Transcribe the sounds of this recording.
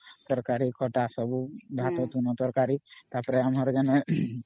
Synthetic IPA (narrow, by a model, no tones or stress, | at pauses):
t̪ɔɾkaɾikʰɔʈasɔbubʱat̪ɔt̪unɔt̪ɔɾkaɾit̪apɔɾɛamaɾd͡ʒane